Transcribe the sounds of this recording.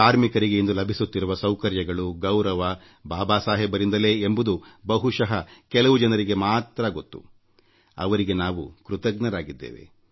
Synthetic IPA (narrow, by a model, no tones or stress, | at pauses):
aːɾmikɐɾiɡe̞end̪ulɐbʱisut̪ːiɾuʋɐsɐwkɐɾjɐɡɐɭuɡɐwɾɐʋɐ | baːbaːsaːɦibɐɾind̪ɐle̞ːmbud̪ubɐɦuʃɐɦɐkɛlɐʋud͡ʒɐnɐɾiɡe̞maːt̪ɾɐɡo̞t̪ːṵ | ɐ̰ʋɐɾiɡe̞naːʋukɾut̪ɐɡnɐɾaːɡid̪ːḛːʋe̞̰